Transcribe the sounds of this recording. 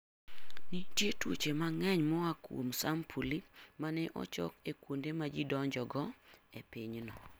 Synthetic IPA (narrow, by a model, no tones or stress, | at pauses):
nitjetwot͡ʃemaŋɛɲmɔakwo̰msampʰulimanɛʔɔ̰t͡ʃɔ̰kekwondemad͡ʒidɔɲd͡ʒɔɡɔepiɲnɔ